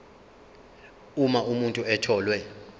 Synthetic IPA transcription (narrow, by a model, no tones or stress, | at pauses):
umaʔumuntʼuɛtʰɔːlwɛ